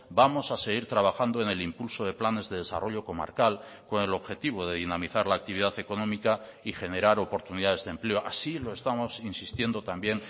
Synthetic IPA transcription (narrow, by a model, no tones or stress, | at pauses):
bamo̞sase̞ɣ̞iɾt̪ɾaβ̞axand̪oene̞limpulso̞ð̞e̞plane̞zðe̞ðe̞sa̰rʔo̞ʎo̞ko̞ma̰ɾkal | ko̞ne̞lo̞βxe̞t̪iβ̞o̞ðe̞ðinamiθaɾlaːk̚t̪iβ̞iðaθe̞ko̞nõ̞mika | ixe̞ne̞ɾaɾo̞po̞ɾt̪uniðaðe̞zðemple̞o̞ʔasilo̞e̞st̪amo̞sinsist̪je̞nd̪o̞t̪ambje̞ŋ